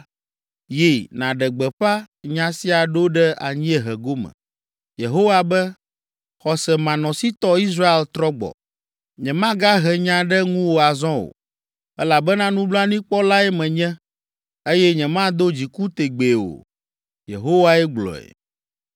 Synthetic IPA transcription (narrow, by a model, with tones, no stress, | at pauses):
je˨nã˨ɖɛ˨ɡ͡bɛ˨ɸa˦ | ɲã˨si˦a˨ɖo˦ɖɛ˦a̰˨ɲĩ˦ɛ˦ɦɛ˨ɡo˦mɛ̰̃˨ | je˨ɦo˦wa˦bɛ˦ | xɔ˨sɛ˨mã˨nɔ̃˨si˦t̪ɔ˦i˦sɾa˦e˦lt̪ɾɔ˦ɡ͡bɔ̰˨ | ɲɛ̃˨mã˦ɡa˦ɦɛ˨ɲã˨ɖɛ˦ŋũ˦wo˨a˨zɔ̃˦o̰˨ | ɛ˦la˨bɛ˦nã˦nũ˦bla˦nĩ˦k͡pɔ˦la˦ɛ˦mɛ̃˨ɲɛ̃˦ | e˦jɛ˦ɲɛ̃˨mã˦d̪o˦d͡ʑi˨ku˦t̪e˨ɡ͡be˨o̰˨ | jḛ˨ɦo˦wa˦ɛ˦ɡ͡blɔ̰˨ɛ̰˨